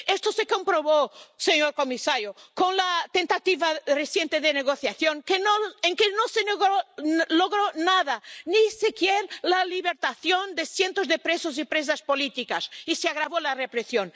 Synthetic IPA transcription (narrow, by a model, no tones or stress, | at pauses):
est̪osekompɾoβoseɲoɾkomisaɾjokonlat̪ent̪at̪iβaresjent̪eðeneɣoθjaθjoŋkenoeŋkenoseneɣoloɣɾonaðanisikjeɾlaliβeɾt̪aθjond̪esjent̪ozðepɾesozipɾes̬aspolit̪ikasiseaɣɾaβolarepɾesjon